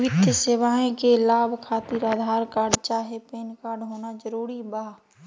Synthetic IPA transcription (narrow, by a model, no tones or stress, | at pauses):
ʋɪt̪seːʋaːẽkelaːbʱkʰaːt̪iɾaːd̪ʱaːɾkaːɾɖt͡ʃaːɦepeːnkaːɾɖɦoːnad͡ʒəɾuːɾibaː